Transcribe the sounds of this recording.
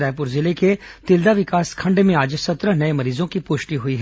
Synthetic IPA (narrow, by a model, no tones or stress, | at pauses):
aːjp̬ʊːɾzɪleket̪ɪld̪aʋɪkaːskʰɐ̃ɳɖmẽaːd͡ʒsɐt̪ɾənɐemɐɾiːzõkipʊʃʈiɦʊiɦ